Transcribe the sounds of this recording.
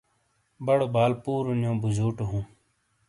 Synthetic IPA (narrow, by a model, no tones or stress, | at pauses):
bɐɽobaːlpuːɾunjõːbuzuːʈoɦũː